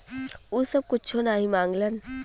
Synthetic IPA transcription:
uːsɐb̚kʊt͡ʃʰonaːɦĩmãːŋɡlən

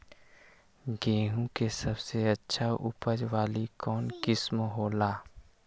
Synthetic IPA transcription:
ɡẽːɦũkesɐbseɐtːʃʰaʔʊ̰pəd͡ʒʋaːlikɔːnkɪsmɦoːlaː

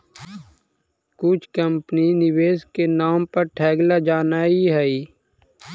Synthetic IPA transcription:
kʊt͡ʃʰkəmpninɪweːskenaːmpɐɾʈʰɛːɡlad͡ʒaːnaːiɦɛiː

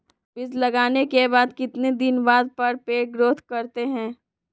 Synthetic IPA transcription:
bɪzlɐɡaːnekebaːd̪kɪt̪ned̪ɪnʋaːd̪̚pɐɾpeːʈɡɾoːt̪kɐɾt̪eɦɛ̃ː

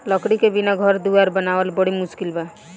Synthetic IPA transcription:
lɔkɽikebinaɡʱɔɾd̪uaɾbənawəlbɔɽimʊskilba

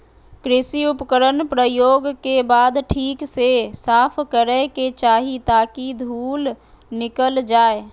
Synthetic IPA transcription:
kɾɪsiʊpkəɾənpɾəjoːɡkebaːd̪ʈʰiːksesaːpʰkəɾəket͡ʃaːɦit̪aːkid̪ʱuːl | nɪkəld͡ʒaːe

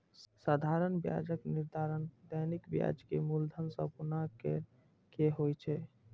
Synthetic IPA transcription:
sad̪ʱaɾənbja̰d͡ʒəkniɾd̪ʱaɾənd̪ənikbija̰d͡ʒkḛmuld̪ʱənsəbpunakḛ | keɦojt͡ʃʰɛ

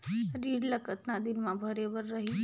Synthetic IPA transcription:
ɾiːɽləkət̪nad̪inmãbʱəɾebəɾːəɦi

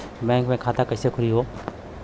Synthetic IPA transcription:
bɛ̃ːŋkmẽkʰaːt̪akɐːsekʰʊɽiɦoː

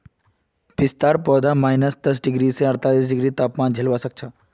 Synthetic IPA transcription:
bɪst̪aːɾpɔːd̪amaːjnəsd̪əs̬ɖɪɡɾiseəɾt̪aːliːsɖɪɡɾiːt̪aːpmaːnd͡ʒʱelʋasək̚t͡ʃʰa

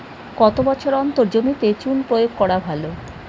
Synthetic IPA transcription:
kɔt̪obɔt͡ɕʰoɾɔnt̪oɾd͡ʑomit̪et͡ɕunpɾojoɡ̚kɔɽabʱalo

